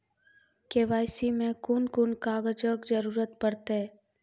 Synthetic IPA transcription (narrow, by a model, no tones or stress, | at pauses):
keːʋaːjsimẽkʊnkʊnkaːɡəd͡ʒəkd͡ʒəɾuːɾət̪pəɾt̪ɦɛ